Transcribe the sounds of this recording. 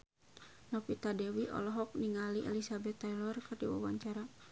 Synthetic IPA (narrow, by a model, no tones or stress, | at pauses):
nɔpit̪adɛwiʔɔ̰lɔɦɔk̚niŋaliʔɛ̰lisabɛt̪ːalɔrkɨrdiwa̰waɲt͡ʃaɾa